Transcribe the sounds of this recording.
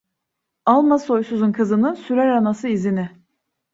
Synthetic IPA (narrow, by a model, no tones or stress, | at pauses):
alˠmaso̞jsuzunkʰɯzɯnɯsyɾæɾanasɯizinɪ